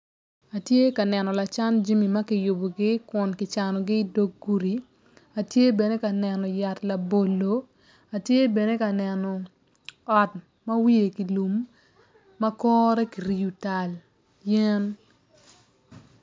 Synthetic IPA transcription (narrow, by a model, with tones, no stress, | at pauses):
a˨tje˦ka˨nɛ˨nɔ˨la˨t͡ʃa˦nd͡ʒi˦mi˨mɐ˦kɪ˨jʊ˨bo˨ɡɪ˦kʊ˨nkɪ˨t͡ʃa˨nɔ˨ɡɪ˦do˦ɡu˦ɾi˨ | a˨tje˦bɛ˨ne˦ka˨nɛ˨nɔ˨ja˨tla˨bo˨lo˨ | a˨tje˦bɛ˨ne˦ka˨nɛ˨nɔ˨ | ɔ˨t | mɐ˦wi˦e˨ki˨lu˨mː | a˦kɔː˦ɾɛ˦ki˨ɾi˨u˨ta˨l | jɛ˦n